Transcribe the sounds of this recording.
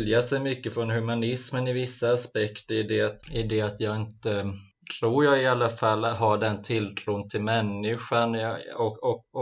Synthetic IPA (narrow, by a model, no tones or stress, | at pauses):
ljasɛjmʏkːəfɾɔnɦʉmanɪsmənɪvɪsːaːspɛkt̪əɾɪd̪ɛat̪ɪd̪ɛat̪jɑːɡɪnt̪ə | t̪ʰɾuːɾjaːɡɪalːafalːɦaɖɛnt̪ʰɪlt̪ʰɾuːnt̪ʰɪlmɛnːɪɧanɔɔk